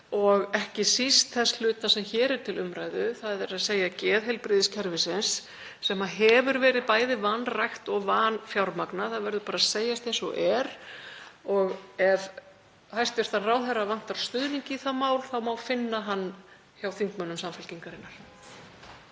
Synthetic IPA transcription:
ɔɣɛhcɪsist̪θɛsl̥ʏːt̪nasɛmçɛːɾɛɾ̥t̪ʰɪlʏmɾajðʏθaðɛɾaðseːjacɛːðɦɛjlpɾɪðɪscʰɛɾvɪsɪnsː | ɛmaɦɛvʏɾvɛːɾɪðpaːjðɪðvanːrajxt̪ɔɣvaːnfjawɾmaknaθaðvɛɾðʏpaːɾaðseːjast̪ensɔ̰ʔɛɾ | ɔɣɛv | hajst̪ɛɾ̥t̪ʰanraːwθɛravan̥t̪aɾlst̪ʏðniɲcɪθamaːwlθawmawfɪnːaɦanː | çjawθiŋkmœnːʏmsamfʏlciŋkaɾɪnːaɾ̥

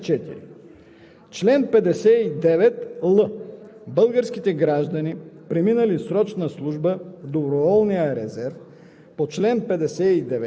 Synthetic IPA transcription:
t͡ʃɛt̪ḭɾḭ | t͡ʃlɛnpɛd̪ɛsɛid̪ɛvɛt̪lˠəbɤlˠɡəɾskʲit̪ɛɡɾaʒd̪ɐnipɾɛminəlisɾɔt͡ʃnəslˠuʒbəvd̪obɾovɔlˠnijəɾɛzɛɾf | pot͡ʃlɛnpɛd̪ɛsɛid̪ɛvɛ

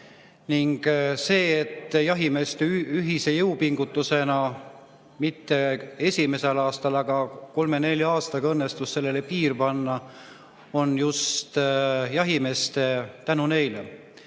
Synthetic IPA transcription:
niŋɡ̥se̞ːet̪ːˑjɑɦime̞ːst̪eyɦise̞jɤupiŋɡ̥ut̪ːˑuse̞nɑ | mit̪ːe̞e̞sʲime̞se̞lɑːst̪ɑlɑɡ̥ɑko̞lme̞ne̞lʲjɑɑːst̪ɑɡ̥ɑɤnːest̪usse̞lːe̞le̞piːrpɑnːɑ | o̞njust̪jɑɦime̞ːst̪et̪ænune̞jlḛ

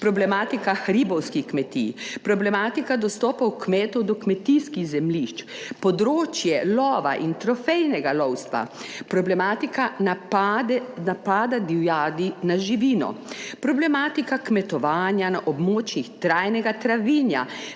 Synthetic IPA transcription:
pɾɔblɛmaːt̪ikaxɾibɔwskixkmɛt̪ḭpɾɔblɛmaːt̪ikad̪ɔst̪ɔːpawkmeːt̪ɔd̪ɔkmɛt̪iskiɣzɛmliʃt͡ʃ | pɔd̪ɾoːt͡ʃjɛlɔːʋa̰ʔint̪ɾɔfɛjnɛɡalɔwst̪ʋa̰pɾɔblɛmaːt̪ika | d̪ɛnapaːd̪ad̪iwjaːd̪inaʒiʋiːnɔ̰pɾɔblɛmaːt̪ikakmɛt̪ɔʋaːnjanaʔɔbmoːt͡ʃixt̪ɾaːjnɛɡat̪ɾaʋiːnja̰

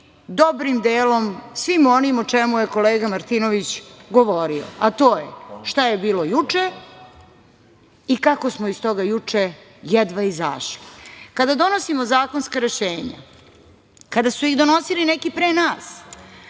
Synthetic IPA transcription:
d̪obɾimd̪eːlo̞msʋimo̞nimot͡ʂemuje̞ko̞leːɡamaɾt̪inoʋit͡ɕɡo̞ʋo̞ɾio̰at̪o̞ːjḛʃt̪aje̞biːlo̞jut͡ʂe | ikako̞smoist̪o̞ɡajut͡ʂe | jɛd̪ʋaiza̰ːʃlikad̪ad̪o̞no̞simo̞zaːko̞nskaɾe̞ʃeːɲa̰ | kad̪asuiɣd̪o̞no̞silinekipɾenaːs

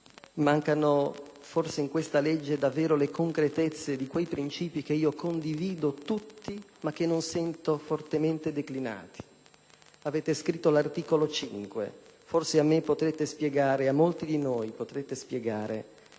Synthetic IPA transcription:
maŋkano | forseiŋkwest̪aled͡ʒːed̪avːɛːɾolekoŋkɾet̪et̪sːed̪ikwejpɾint͡ʃiːpik̟eiːokond̪iviːd̪ot̪ut̪ːimak̟ːenːonsɛnt̪ofort̪ement̪ed̪eklina̰ːt̪ʰi̥ | avɛːt̪eskɾit̪ːolart̪iːkolot͡ʃḭŋkwḛforseamːepːot̪ɾet̪espjɛɡaːɾeamːolt̪id̪inoːjpot̪ɾet̪ːespjɛɡaːɾʔḛ

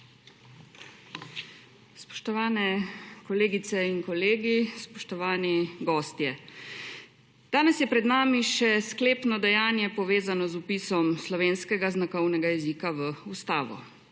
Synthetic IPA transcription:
spɔ̥ʃt̪ɔʋaːnɛkɔleːɡit̪sɛinkɔleːɡispɔʃt̪ɔʋaːniɡɔːst̪jɛ | d̪̥aːnɛsjɛpɾɛd̪naːmiʃɛskleːpnɔd̪ɛjaːnjɛpɔʋeːzanɔzupiːsɔmslɔʋeːnskɛɡaznakɔwnɛɡajɛziːkaʋəust̪aːʋɔ̰

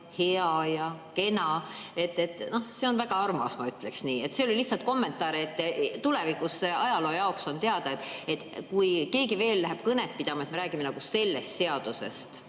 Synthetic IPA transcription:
he̞ɑjɑke̞nɑe̞t̪ːet̪ːˑno̞hse̞o̞nvæɡ̥ɑɑrmɑsmɑyt̪ːˑleksniːe̞t̪se̞o̞liliçhtsɑlt̪̚ko̞mːe̞nt̪ːˑɑːɾeet̪ːt̪ulevikˑuseɑjɑlo̞ːjɑokso̞nt̪eɑd̪̥ɑet̪ːˑe̞t̪ːˑkujke̞ːɡive̞ːlːæɦæb̥kɤnet̪̚pid̪̥ɑmɑet̪me̞ɾæːɡ̥ime̞nɑɡ̥use̞lːe̞st̪se̞ɑd̪̥use̞̰st̪

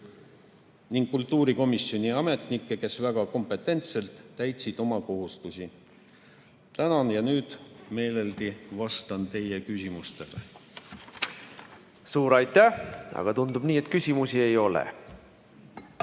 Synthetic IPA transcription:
niŋɡ̥kult̪ːˑuːɾiko̞misjo̞nʲiɑme̞t̪ˑnikːe̞ke̞svæɡ̥ɑko̞mpe̞t̪ˑːe̞nt̪se̞lt̪ːæjt̪sid̪̥o̞mɑko̞ɦust̪usʲi | t̪ænɑnjɑnyːd̪̥me̞ːle̞ld̪ivɑst̪ɑnt̪e̞jekysʲimust̪e̞lḛ | suːɾɑjt̪ːˑæɑ̰ɡ̥ɑt̪und̪ubniːet̪ːˑkysʲimusie̞jo̞lḛ

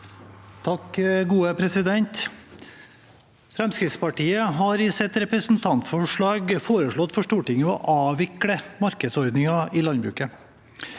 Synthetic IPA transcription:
t̪ʰɑkɡuːəpʰɾɛsɪd̪ɛnt̪ | fɾɛmskɾɪft̪spɑʈiːəɦɑɾɪsɛt̪ɾɛpɾəsn̩t̪ʰɑnt̪fɔʂɭɑːɡfoːɾəʂɭɔt̪ːfɔʂʈuːʈɪŋəɔ̰ʔɑːʋɪkɽəmɑɾkəd̪sɔɾd̪nɪŋɑɪlɑnd̪bɾʉ̰ːkə

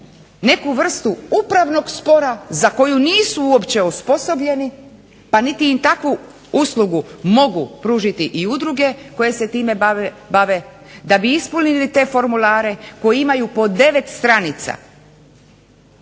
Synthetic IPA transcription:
ne̞kuʋr̩st̪uupɾaʋno̞ɡspo̞ɾazako̞juniːsuuopt͡ɕe̞uspo̞so̞bʎe̞ni | panit̪iːmt̪akʋu | uslˠuɡumo̞ɡupɾuːʒit̪iʔiud̪ɾuɡe̞ko̞je̞se̞t̪iːme | baʋe̞ | d̪abiispulnilit̪e̞fo̞ɾmulaːɾe̞ko̞jiimajupo̞d̪e̞ʋe̞t̪st̪ɾanit̪sa̰

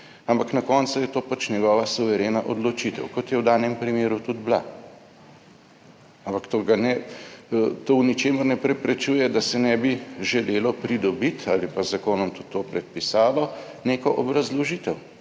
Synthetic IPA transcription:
ampaknakɔːnsʊjɛt̪oːpat͡ʃnɛɡɔːʋasuʋɛɾeːnaʔɔd̪lɔt͡ʃit̪ɛ̰wkɔt̪jɛwd̪aːnɛmpɾimeːɾut̪ud̪bla̰ | ampakt̪oːɡanɛ | t̪oːwnit͡ʃeːməɾnɛpɾɛpɾɛt͡ʃujɛd̪asɛnɛbiʒɛleːlɔpɾid̪ɔbit̪ʰalipazakoːnɔmt̪ut̪ʰːoːpɾɛt̪̚pisaːlɔ | neːkɔʔɔ̰bɾazlɔʒit̪ɛw

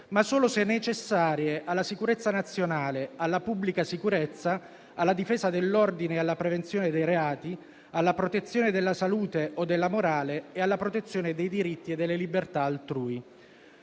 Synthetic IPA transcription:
masːoːlosɛnːet͡ʃesːaːɾjeʔalːasikuɾet̪sːanat̪sːjonaːlealːapubːlikasikuɾet̪sːa | alːad̪ifɛːzad̪elːɔrd̪inealːapɾevent̪sjoːned̪ejɾeaːt̪i | alːapɾot̪et̪sːjoːned̪elːasaluːt̪eod̪ːelːamoɾaːleealːapɾot̪et̪sːjoːned̪ejd̪iɾit̪ːied̪ːelːelibert̪aːlt̪ɾuːi

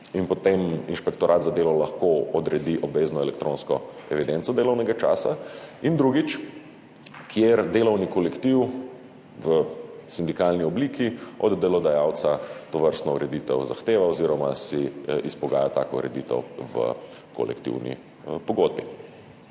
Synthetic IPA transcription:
inpɔt̪eminʃpɛkt̪ɔɾʔaːt̪zad̪eːlɔlɐxkoɔd̪ɾɛd̪iʔɔbʋeːznɔɛlɛkt̪ɾoːnskɔɛʋid̪ent̪sɔd̪eːlɔwnɛɡat͡ʃa̰ːsaind̪ɾuɡit͡ʃ | kjeɾd̪eːlɔwnikɔlɛkt̪iw | ʋəsind̪ikalniɔbliːkiɔ̰d̪ːɛlɔd̪ajaːwt̪sat̪ɔʋəɾst̪nɔuɾɛd̪it̪ɛwza̰xt̪eːʋaɔziɾɔma̰siispɔɡa̰jat̪a̰ːkɔṵɾɛ̰d̪it̪ɛ̰wʋə̰kɔ̰lɛ̰kt̪ḭwnḭ | pɔɡod̪̚bḭ

